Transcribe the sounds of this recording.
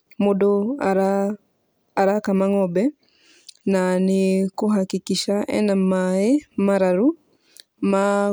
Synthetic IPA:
modoɾ | aɾakamaŋɔbɛ | nanɪkoɦakikiʃaʔɛ̰namaemaɾaɾu | ma

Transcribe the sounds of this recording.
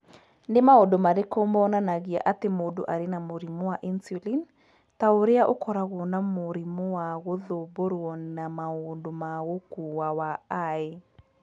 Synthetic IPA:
ndemaondomaɾekoːmɔnanaɣia̰ʔatemoːdoʔaɾenamoɾimowaʔinsulin | taoɾeaʔokɔɾaɣonamoɾimowaɣoðoboɾɔnnamaoːndomaɣokuwawaae

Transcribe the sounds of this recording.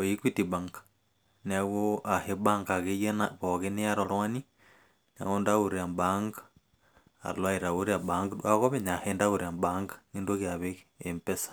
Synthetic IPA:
ojikwitibaŋɡḁ | niaɣoʔahebaŋɡaɣejenaβoɣeneaɾolwani | na̰ɣondaɣuɾambaŋɡḁ | a̰lwaiɾaɣoɾiabaŋɡaɣoβenahendaɣuɾiambaŋɡḁŋindoɣjaβeɣeempesḁ

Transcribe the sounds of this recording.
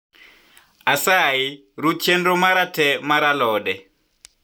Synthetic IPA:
asai | ɾut͡ʃʰɛndɔmaɾatʰɛmaɾalɔːɗɛ

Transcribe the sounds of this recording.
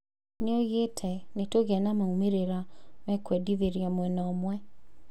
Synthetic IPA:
neoɣetʰɛnetoɣanamaumeɾeɾamɛkwɛdiðeɾjamwɛnɔːmwɛ

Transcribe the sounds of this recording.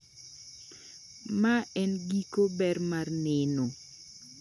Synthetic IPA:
maɛnɡikobɛrmarnɪno

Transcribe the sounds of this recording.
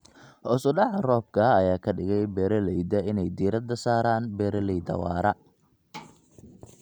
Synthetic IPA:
hɔːsʊɖɑʕɐrɔːb̚kʰɐɐjaːkʰɐɖɪɣɛjbɛːɾɐlɛjd̪ɐɪnɛjd̪iːɾɐd̪ɐsaːɾaːnbɛːɾɐlɛjd̪ɐ̰wɑːɾɐ

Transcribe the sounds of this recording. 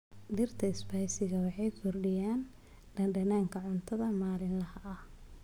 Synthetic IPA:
d̪ɪrt̪ʰɐɪsbɐjsɪɣɐwɑħɑjkʰʊrɖɪjaːn | ɖ̥ɐnɖɐnaːŋkʰɐʕʊnt̪ʰɐðɐmaːlɪnlɐhɐʔɐh

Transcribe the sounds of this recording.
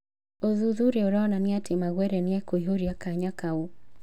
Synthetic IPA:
ɔðuðuɾɛɔɾɔnaniatʰimaɣwɛɾɛniɛkɔiɦoɾiakaɲakau

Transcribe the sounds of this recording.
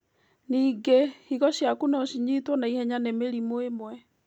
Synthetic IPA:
niːɡehiɣɔɕjakunɔɕiɲitwɔnaihɛɲanemeɾimoemwɛ

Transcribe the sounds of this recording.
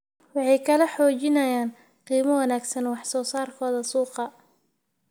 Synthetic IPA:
wɑħɑjkʰɐlɛħɔːt͡ʃɪnɐjaːn | qiːmɐwɐnaːɡsɐnwɑħsɔːsaːrkʰɔːðɐsuːqɑ

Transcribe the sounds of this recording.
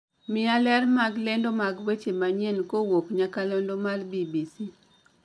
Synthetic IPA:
mɪalɛrmaɡlendomaɡwet͡ʃemaɲɛnkowokɲakalɔndomalbibisi

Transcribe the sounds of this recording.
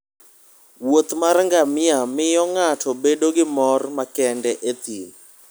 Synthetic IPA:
wot̪marŋɡamɪamɪjɔŋatʰɔbedoɡɪmɔrmakɛndɛʔet̪in

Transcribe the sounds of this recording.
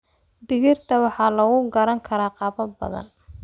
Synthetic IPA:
d̪ɪɣɪrt̪ʰɐwɑħɑːlɐɣʊɡɐɾɐŋkʰɐɾaːqɑːβɐbɐ̰ðɐ̰n

